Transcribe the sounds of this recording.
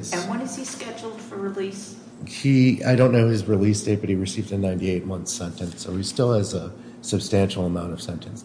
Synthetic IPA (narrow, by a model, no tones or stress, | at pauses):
z̥ɨ̃nwʌ̃nɨz̥iskɛd͡ʒl̩ˠd̥fə˞ɹɪlis | hia̰ɪɾõʊ̃nːoʊɨzɹɨlisdeɪt̚b̥ʌt̚hiɹɨsivdɨnãɪ̃ntieɪt̚mʌ̃nθsɛ̃ntɨ̃nsoʊistɪlˠɨzə | sɨb̥stæ̃nʃl̩ˠəmãʊ̃ntʌv̥sɛ̃ntʰɨ̃ns